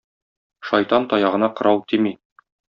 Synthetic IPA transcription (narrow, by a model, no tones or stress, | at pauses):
ʃɒjt̪ɑnt̪ɒjɑʁɤ̆nɑqɤ̆ɾɑwt̪imi